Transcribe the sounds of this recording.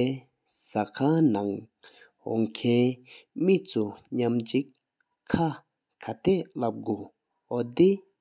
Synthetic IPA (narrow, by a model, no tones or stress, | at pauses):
sakʰanaŋ | ɦɔ̰ŋkʰɛnmit͡suɲamd͡ʑik | kʰːa | kʰat̪ɛlap̚ɡo | ɦɔd̪i